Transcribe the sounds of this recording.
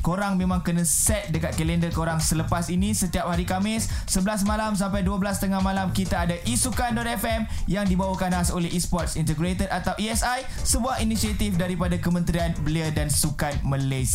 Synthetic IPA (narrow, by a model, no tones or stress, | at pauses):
koɾaŋmẽmãŋkənãsɛt̪̚dəkat̪̚kəlɛndərkoɾaŋsələpasinĩsət̪iap̚haɾikamɪsːəbəlas̬mãlams̬ampajduabəlast̪əŋahmãlamkit̪aːdaʔisukandɔt̪̚ɛfɛmjaŋdibawakanasolɛɦispɔt̪̚sint̪əɡɾet̪ərat̪awiɛsaj | səbuahinisiat̪ifdaɾipadakəmə̃nt̪ɾianbəliadansukan̚mãles